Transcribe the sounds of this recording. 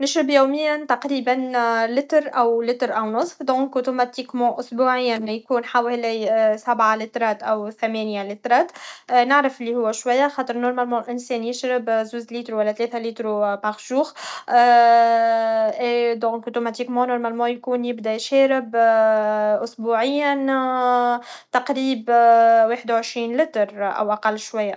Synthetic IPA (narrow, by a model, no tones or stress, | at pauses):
nɪʃɾɪbjuːmɪjːant̪aqɾiːbanlɪt̪ɾʔæwlɪt̪ɾʔæwnʊsˤfd̪ɔ̃ŋkʔot̪umat̪ikmɔʔʊsbuːʕɪjːanjkuːnħaːwɪhlæsabʕalit̪ɾˤɑːt̪ʔæwθæmɛnjalit̪ɾˤɑːt̪ʔnɪʕɾafʔɪlːihʊwːæʃwajːaxɑːt̪əɾnʊɾmalmõʔɪnsɛːnjɪʃɾɪbzuːzliːt̪ɾuwælːæt̪lɛːθæliːt̪ɾupaɣʒuːx | d̪oɣkot̪umat̪iːkmonʊɾmalmoːjkuːnjɪbd̪ajʃɛːɾɪb | ʔʊsbuːʕɪjːan | t̪ɑqɾiːbweːħɪd̪awʕɪʃɾiːnlɪt̪ɾʔæ̰wʔaqɑlːʃwajːa